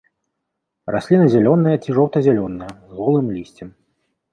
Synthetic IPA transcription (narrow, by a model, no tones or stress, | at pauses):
ra̰sʲlʲinɨzʲalʲɔnɨjɐt͡sʲiʐɔwt̪ɐzʲalʲɔnːɨjɐzɣɔlˠɨmlʲisʲt͡sʲɛm